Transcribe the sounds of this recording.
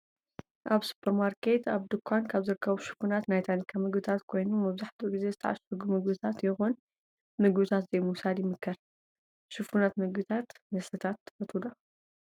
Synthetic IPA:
ʔaβsu̥pʰɐɾmaɾkʰe̞t̪aβd̪ɨkʷʰːankʰaβzɨɾɨkʰːɐβuʃɨ̥funat̪najt̪ʰanikʰamɨɡbɨt̪ʰat̪kʰo̞jnumɐβzaħt̪ʰuɡize̞zɨt̪ʰɐ̰ʕa̰sɐɡumɨɡbɨt̪ʰat̪jɪxon | mɨɡbɨt̪ʰat̪zejmusad̪jɪmɨkʰːɐɾ | ʃɨfunat̪mɨɡbɨt̪ʰat̪nɐsɐt̪ʰat̪ʰːfɐt̪ʰud̪a

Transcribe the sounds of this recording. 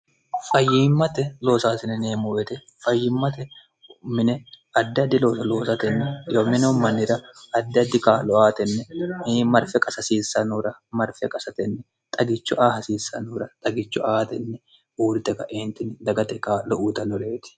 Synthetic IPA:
fɐjːiːmːɐt̪ɛlo̞ːsaːsɪnɛneːmʊwɛt̪ɛ | fɐjːɪmːɐt̪ɛ | mɪnɛ | ɐd̪ːɛɐd̪ːɪlo̞ːsɐlo̞ːsɐt̪ɛnːɛjomɪnɛʊmːɐnːɪɾɐɐd̪ːɛɐd̪ːɪkaːlɔaːt̪ɛnːɛmɐɾfɛkʼɐsɐsiːsːɐnʊɾɐmɐɾfɛkʼɐsɐt̪ɛnːɛ | t̪ʼɐɡɪt͡ʃːʊʔaːhɐsiːsːɐ̰nuːɾɐt̪ʼɐɡɪt͡ʃːʊaːt̪ɛnːɛ | uːɾɪt̪ɛkɐ̰ʔeːnt̪ɪnd̪ɐɡɐt̪ɛkaːlɔʔuːt̪ɐlɔɾeːt̪ɪ̥

